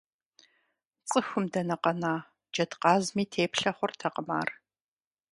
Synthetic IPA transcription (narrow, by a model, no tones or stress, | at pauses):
t͡sʼɨxʷʊmdɐnɐqɐnaː | d͡ʒɐtqɑːzmiːtʰeːpɬɐχʷʊrtʰɐqəma̰ːr